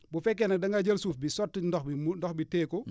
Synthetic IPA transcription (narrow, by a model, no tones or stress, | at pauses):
bufɛk̬ːɛnɐk̚dɐŋɡad͡ʒɐlsuːfbisɔtːindɔxindɔxbitɛːkɔ